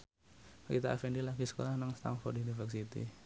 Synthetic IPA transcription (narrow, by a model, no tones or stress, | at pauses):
kit̪aʔa̰fendilaɡisə̥ko̰lahnaŋst̪a̰mfɔr̚didifərsit̪ḭ